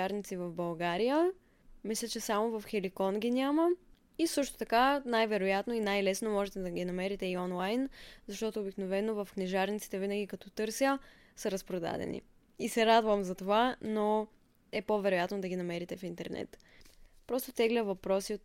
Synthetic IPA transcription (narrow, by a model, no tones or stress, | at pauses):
aɾnit̪sivɐvbɐlˠɡaɾijə | mislʲɛt͡ʃɛsamovɐfxɛlikɔnɡʲinʲamə | isɤʃt̪o̥t̪ɐkanajvɛɾojat̪noinajlɛsnomɔʒɛt̪ɛd̪ɐɡʲinɐmɛɾit̪ɛiɔnlˠajnzɐʃt̪ɔt̪ʊːbiknovɛnovɐfknɛʒaɾnit̪si̥t̪ɛvinəɡʲikɐt̪ɔt̪ɤɾsjə | səɾəspɾod̪a̰d̪ɛ̰nḭ | isɛɾad̪vəmzɐt̪ovano | ɛpovɛɾojat̪nod̪ɐɡʲinɐmɛɾit̪ɛfint̪ɛɾnɛ̰t̪ | pɾɔst̪ot̪ɛɡlʲəvɐpɾɔsio